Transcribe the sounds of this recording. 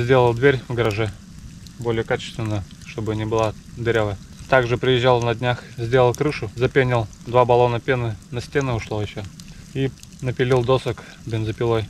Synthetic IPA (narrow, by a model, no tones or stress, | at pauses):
zʲdʲelˠəlˠd̪vʲeɾʲvɡəɾɐʐɛ | bo̞lʲɪjəkat͡ɕɪ̥st̪vʲɪnːəjə | ʂt̪o̞bɨnʲɪbɨlˠad̪ʲɪɾʲavə | t̪aɡʐɨpɾʲɪjɪʑːalˠnɐdʲnʲaxzʲdʲelˠəlˠkɾɨʂʊzɐpʲenʲɪlˠd̪vabɐlˠo̞nəpʲenɨnɐsʲtʲe̞nɨʊʂlˠojɪɕːoi | nəpʲɪlʲilˠd̪osək | bʲɪnzəpʲɪlˠoj